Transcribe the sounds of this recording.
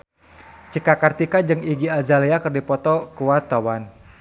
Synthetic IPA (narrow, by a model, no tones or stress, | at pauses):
t͡ʃikakart̪ikad͡ʒɨŋiɡiazaleakərdipɔt̪ɔkuwat̪awan